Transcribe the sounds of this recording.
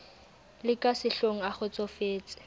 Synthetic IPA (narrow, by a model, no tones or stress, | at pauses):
lɪkʼasɪɬoŋ̩aχʊt͡sʼɔfeːt͡sʼɪ̥